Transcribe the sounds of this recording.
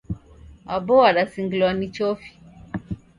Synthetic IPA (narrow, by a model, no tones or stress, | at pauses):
abɔaɗasiŋɡilwanit͡ʃɔfi̥